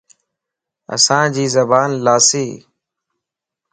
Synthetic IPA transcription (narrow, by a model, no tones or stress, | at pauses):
ə̰sãːd͡ʒiːzəbaːnlaːseː